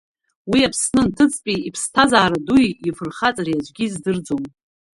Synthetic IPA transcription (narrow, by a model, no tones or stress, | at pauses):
wiapʰsnɨntʰɨt͡sʼpʲʼiipʰstʰazaːɾadujifɨrχat͡sʼariad͡ʒʷɡʲizdɨrd͡zom